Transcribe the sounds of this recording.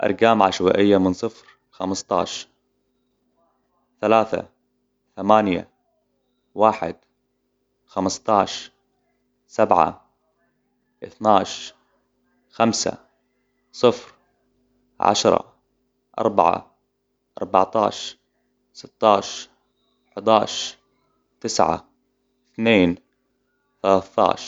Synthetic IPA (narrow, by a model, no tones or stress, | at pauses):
ʔɑ̰ɾˤɡaːmʕaʃwaʔɪjːamɪnsˤɨfɾ | xamst̪ˤɑ̰ːʃ | θalaːθa̰ | θamaːnja̰ | waːħɪ̰d̪ | xamst̪ˤɑːʃ | sabʕa̰ | ʔɪθnaːʃ | xamsa̰ | sˤɨfɾ | ʕa̰ʃɾˤɑ̰ | ʔɑ̰ɾˤba̰ʕa̰ | ʔɑ̰ɾˤba̰ʕt̪ɑ̰ːʃ | sɪt̪ːɑːʃ | ħʊd̪ɑːʃ | t̪ɪsʕa̰ | ɪθneːn | θalaːθt̪ˤɑ̰ːʃ